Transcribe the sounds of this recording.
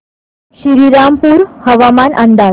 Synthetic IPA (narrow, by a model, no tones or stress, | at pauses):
ɕiɾiɾampuːɾhəʋamanʔənd̪a